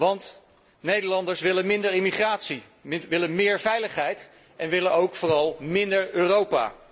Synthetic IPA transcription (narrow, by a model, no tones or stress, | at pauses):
ʋɑnt | nejdəlɑndəɹsʋɪlənmɪndəɹɪmiχraːtsi | ʋɪlənmɪːɹvɛjləχɦɛjt | ɛnʋɪlənowkfoːrɑlˠmɪndəɹøːrowpa̰ː